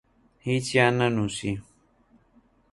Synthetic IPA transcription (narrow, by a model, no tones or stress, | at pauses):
hit͡ʃjanɐnũsi